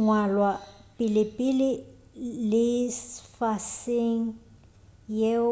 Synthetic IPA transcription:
ŋwalwapʼɪlɪpʼɪlɪ | lɪsfaseŋ̩ | je

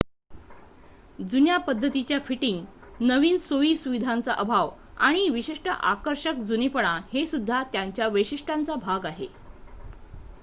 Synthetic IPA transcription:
d͡zunjapəd̪ʱːət̪it͡ɕjafiʈiŋɡnəʋiːnsoʋiːsuʋid̪ʱant͡saʔəbʱaʋ | a̰ɽ̃iʋiɕiʂʈəʔa̰kəɾɕək̚d͡zunipəɳ̃ãhesud̪ʱːat̪jaɲt͡ɕjaʋəɕiʂʈʰant͡sabʱaɡaɦe

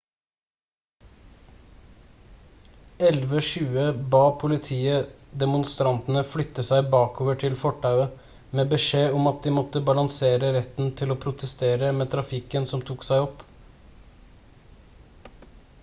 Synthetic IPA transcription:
ɛlʋəʃʉːəbɑːpʰʊlɪt̪ʰiːəd̪ɛmʊnst̪ɾɑnt̪n̩əflʏt̪ːəsæɪbɑːkoːʋəʈʰɪlfɔʈːɑʉə | meːbəʂeːɔmɑt̪̚d̪ɪːmɔt̪əbɑlɑŋseːɾəɾɛt̪n̩t̪ʰɪloːpʰɾʊt̪əst̪eːɾəmeːt̪ʰɾɑfɪkənsɔmt̪ʰuːksæɪɔp

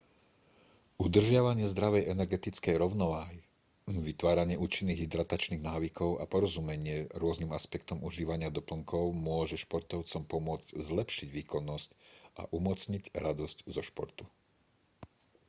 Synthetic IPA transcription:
ud̪r̩ʒɪaʋaɲɪɛzd̪ɾaʋɛjɛnɛɾɡɛt̪it͡skɛjɾɔʊnɔʋaːɦi | ʋit̪ʋaːɾaɲɪɛʔuːt͡ʃinːiːɣɦid̪ɾat̪at͡ʃniːɣnaːʋikʰɔʊʔa̰pɔɾɔzumɛɲɪɛɾʊɔznimaspɛkt̪ɔmuʒiːʋaɲɪad̪ɔpl̩ŋkɔʊmʊɔʒɛʃpɔɾt̪ɔʊt͡sɔmpɔmʊɔd͡zɟzlɛpʃiɟʋiːkɔnːɔscʔa̰ʔumɔt͡sɲiɟɾad̪ɔsczɔʃpɔ̰ɾt̪u̥

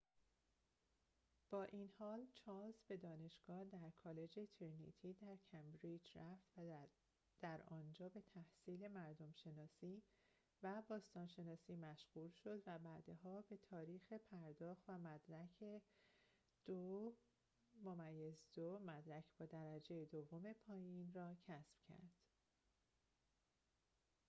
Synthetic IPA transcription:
b̥ɒːʔinhɒːlt͡ʃʰɒːlzbe̞d̪ɒːne̞ʃɡ̥ɒːhd̪æɾkʰɒːle̞d͡ʒet̪ʰiɾnḭt̪ʰiːd̪æɾcʰæmbɾid͡ʒɾæft̪v | d̪̥æɾɒːnd͡ʒɒːbe̞t̪ʰæhsiːle̞mæɾd̪omʃe̞nɒːsiː | væbɒːst̪ɒːnʃe̞nɒːsiːmæʃɣ̥uːlʃo̞d̪væbæːd̪eɦɒːbe̞t̪ʰɒːɾiːxe̞pʰæɾd̪ɒːxt̪væmæd̪ɾæcʰe | d̪̥o | momæjːezd̪omæd̪ɾæcʰb̥ɒːd̪æɾæd͡ʒejed̪ovːome̞pʰɒːjinrɒːcʰæsb̥cʰæ̰ɾd̪̥

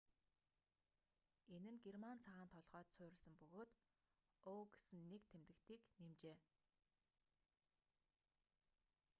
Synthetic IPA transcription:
enɘ̆nɡermant͡sʰaʁaːnt̪ʰɔɮʁœːt̪sʰʊːɾɪ̆ɮsə̆mpɵɣoːt̪ | oːɡe̥sɘ̆nːekt̪ʰemt̪ɘ̆kt̪iːknemt͡ɕeː

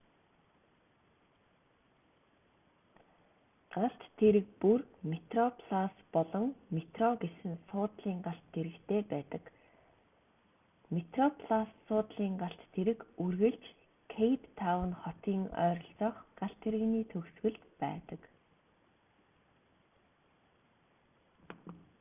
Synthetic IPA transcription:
ɢ̥aɬt̪t̪ʰːeɾɘ̆k̚purmet̪rɔpʰɮaspɔɮɞ̆ŋmet̪rɔɡesɘ̆nsʊːt̪ɮiːŋɢaɬt̪ʰːeɾɘ̆kt̪ʰeːpæːt̪ə̆k | met̪rɔpʰɮasːʊːt̪ɮiːŋɢaɬt̪ʰːeɾɘ̆kurɣɘ̆ɮt͡ɕ | kʰejpt̪ʰːawə̆nχɔt̪iːŋœ̰ːɾɞ̆ɬt͡sɔːχɢ̥aɬt̪ʰeɾɘ̆niːt̪ʰɵɣsɣɘ̆ɮt̪pæ̰ːt̪ə̆k

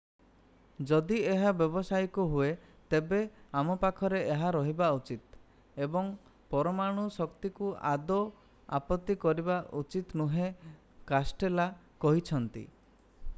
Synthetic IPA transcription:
d͡ʒɔd̪ieɦabjɔbɔsajkuɦuet̪ebeamɔpakʰɔɾeeɦaɾɔɦibaut͡ʃit̪ | ebɔŋ | pɔɾɔmaɽ̃usɔkt̪ikua̰d̪ɔ | a̰pɔt̪ːikɔɾibaʔut͡ʃit̪nuɦe | kasʈela | kɔɦit͡ʃʰɔnt̪ḭ

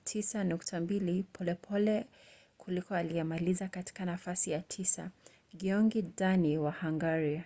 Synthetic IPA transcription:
tʰisanuktʰambilipʰɔlɛpʰɔlɛ | kʰulikɔalijɛmalizakati̥kanafasijatʰisa̰ | ɡiɔŋɡidaniwahaŋɡaɾia

